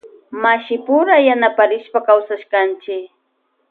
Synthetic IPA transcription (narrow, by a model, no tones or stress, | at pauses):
maʃɪpʊɾajanapaɾɪʃpakawsaʃkant͡ʃɪk